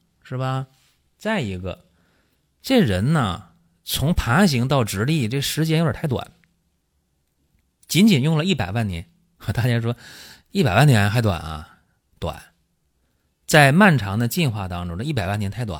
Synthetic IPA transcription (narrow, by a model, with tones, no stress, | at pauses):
ʂɻ̩˥˩bɐ˩ | t͡sa˥˩ɪi˧˥ɡə̰˧ | ʈ͡ʂe˥˩ɻə˧˥nnə̰˧ | t͡sʰʊ˧˥ŋpʰa˧˥ɕ̬i˧˥ŋt̪ɑ˥˩ʊʈ͡ʂɻ̩˧˥li˥˩ʈ͡ʂɤ˥˩ʂɻ̩˧˥t͡ɕjɛ˥njo˥˩ə̰˨˩˥ɪt̪wa̰˨˩˦n | t͡ɕi˧˥nt͡ɕi˨˩njʊ˥˩ŋlə˩i˥˩pa˨˩ɪwa˥˩nnjɛ̰˧˥n˧ | t̪a˥˩t͡ɕja˥ʂ̬wɔ˥ | i˥˩pa˨˩ɪwa˥˩njɛ˧˥nxa˧˥wa̰˨˩nɐ̰˧ | t̪wa̰˨˩˦n | t͡sa˥˧ɪma˥˩nʈ͡ʂʰɑ˧˥ŋd̪ə˧t͡ɕi˥˧nxwa˥˩t̪ɑ˥ŋʈ͡ʂʊ˥ŋdə˧i˥˩pa˨˩ɪwa˥˩njɛ˧˥nt̪ʰɪtwa̰˨˩˦n